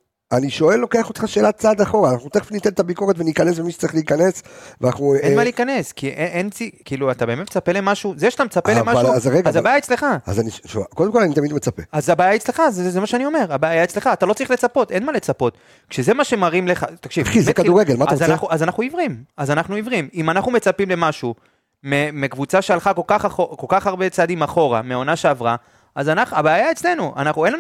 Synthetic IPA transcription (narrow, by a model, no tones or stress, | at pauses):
aniʃo̞e̞lːo̞ke̞aχot̪χaʃe̞ːlat̚t͡sad̪aχo̞ʁaːnaχnut̪eχfinit̪ent̪abiko̞ʁet̪venikanes̬bemiʃe̥t͡saʁiχleikane̞sveanaχnuenmaleikane̞skiʔeʔent͡sikiːluat̪abe̞met̪met͡sape̞lemaʃuzeʃat̪amet͡sapelemaʃvaazaʁeɡazabaːjaet͡sle̞χaa̰zaniʃokod̪emkolanit̪amid̪met͡sapeazabaːjaet͡sle̞χazezemaʃeanio̞me̞ʁabaːjaet͡sle̞χaːt̪alo̞t͡saʁiχle̞t͡sapo̞t̪e̞nmale̞t͡sapo̞t̪ | kʃeze̞maʃe̞maʁimleχa̰t̪akʃivizmekad̪uʁeɡelmat̪aanaχuʔazanaχnuivʁimazanaχnuivʁimimanaχnume̞t͡sapimle̞maʃu | memekvut͡saʃealχakolkaχaoko̞lkaχaʁbe̞t͡sad̪imaχo̞ʁa̰meao̞naʃe̞avʁa | azanaχabaːjaet͡sle̞nuʔa̰naχnuenlan